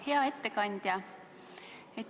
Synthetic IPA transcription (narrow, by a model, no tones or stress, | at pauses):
he̞ɑe̞t̪ːe̞kɑnʲd̪̥ʲjɑ | et̪ː